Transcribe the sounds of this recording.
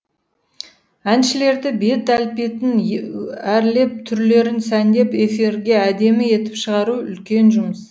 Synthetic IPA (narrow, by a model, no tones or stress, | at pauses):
ænʃɪle̞ɾd̪ɪbe̞t̪ælpe̞t̪ɪn | æɾle̞p̚t̪ʰʏɾle̞ɾɪnsænd̪e̞pe̞fiɾɡʲe̞æd̪e̞mɪe̞t̪ɪ̥pʃəʁɑɾuʏ̰lkʲe̞nʒʊməs